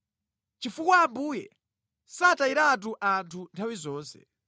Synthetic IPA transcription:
t͡ʃifukwaːmbuːjɛ̰ | sataiɾat̬uʔantʰuntʰawizɔːnsɛ̰

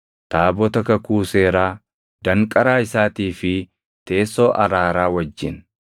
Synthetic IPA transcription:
t̪aːbɔt̪ɐkɐkuːse̞ːɾaː | d̪̥ɐŋkʼɐɾaːɪsaːt̪iːfɪ | t̪e̞ːsːo̞ːʔɐɾaːɾaːwɐd͡ʒːɪn

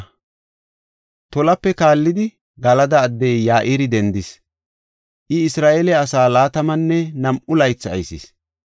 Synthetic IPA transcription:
t̪ɔlɐpːɛkaːlːɪd̪ɪ | ɡɐlɐd̪ɐːd̪ːɛjjaːʔiːɾɪd̪ɛnd̪ɪs | ʔɪɪsɾaːʔeːlɛɐsaːlaːt̪ɐmɐnːɛnɐmʔʊlɐjt͡sːɐ̰jsɪ̰s

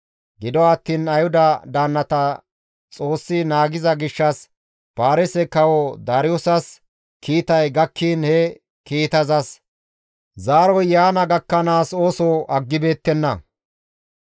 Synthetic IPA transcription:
ɡɪd̪ɔɐt̪ːiːnɐjhʊd̪ɐd̪aːnːɐt̪ɐ | t͡sʼo̞ːsːɪnaːɡɪzɐɡɪʃːɐs | paːɾɛsɛkɐwɔd̪aːɾɪjɔsɐs | kʰiːt̪ɐjɡɐkʰːiːnhɛ | kiːt̪ɐzɐs | zaːɾɔjjaːnɐɡɐkːɐnaːso̞ːsɔːʔɐɡːɪbe̞ːt̪ːɛnːɐ̰

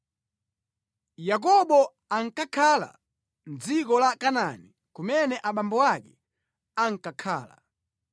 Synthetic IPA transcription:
jak̬ɔɓɔ | aŋ̩kakʰala̰ | nd͡zikɔlakanani | kumɛnɛʔaɓambɔwakɛ | aŋ̩kakʰa̰ːla̰

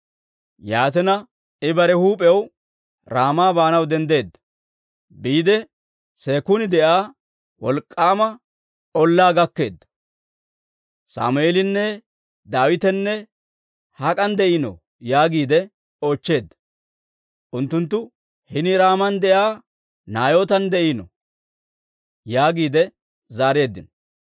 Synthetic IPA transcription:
jaːt̪ɛnɐ | ɪbɐɾɛhuːpʼɛw | ɾaːmaːbaːnɐwd̪ɛnd̪e̞ːd̪ːɐ | biːd̪ɛ | seːkʊnɪd̪ɛʔaː | wɔlkʼːaːmɐ | ʔɔlːaːɡɐkːe̞̰ːd̪ːɐ̥ | sa̰ːmʊeːlɪnːɛ | d̪aːwɪt̪ɛnːɛ | hɐkʼɐnd̪ɛʔɪnɔ̰ | jaːɡiːd̪ɛ | o̞ːt͡ʃːe̞ːd̪ːɐ̥ | ʔʊnt̪ːʊnt̪ːʊ | hɪnɪɾaːmɐnd̪ɛʔaː | naːjo̞ːt̪ɐnd̪ɛʔɪnɔ̰ | jaːɡiːd̪ɛ | zaːɾe̞ːd̪ːɪn

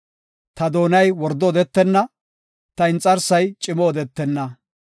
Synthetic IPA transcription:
t̪ɐd̪o̞ːnɐjwɔɾd̪ɔɔd̪ɛt̪ːɛnːɐ | t̪ɐɪnt͡sʼːɐɾsɐjt͡ʃʼɪmɔːd̪ɛt̪ːɛnːɐ

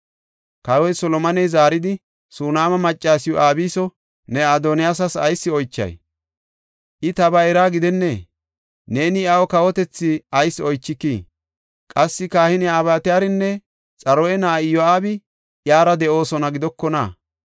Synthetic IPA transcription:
kɐwɔjsɔlɔmɐnɛjzaːɾɪd̪ɪ | suːnaːmɐmɐt͡ʃʼːaːsɪjɔʔaːbiːsɔ | nɛad̪ɔnɪjaːsɐsɐ̰jsːɪɔjt͡ʃːɐ̰j | ʔɪt̪ɐbɐɛɾaːɡɪd̪ɛnːeː | ne̞ːnɪawɔkɐwɔt̪ɛt͡sːɪɐjsːɔjt͡ʃːɪkːiː | kʼɐsːɪkaːhɪnɪaːbaːt̪ɪjaːɾɪnːɛ | t͡sʼɐɾɔjɛnaːɪjɔaːbɪ | ʔjaːɾɐd̪ɛo̞ːsɔnɐɡɪd̪ɔkːɔna̰

